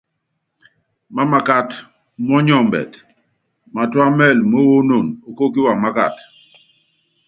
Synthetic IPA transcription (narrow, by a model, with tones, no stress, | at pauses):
ma˦ma˨ka˦t | m˦ɔ˦ɲɔ˦˨mbɛ̰˨t | ma˨twa˦mɛ˦˨lmo˦wo˦no˨no˨ko˦k̬i˦wa˨ma˦ka̰˨t